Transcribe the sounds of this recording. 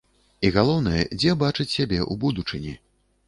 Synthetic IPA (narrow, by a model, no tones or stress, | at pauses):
iɣalˠɔwn̪ɐjɛ̰d͡zʲɛbat͡ʂɨt͡sʲsʲabʲɛʔubud̪ut͡ʂɨnʲi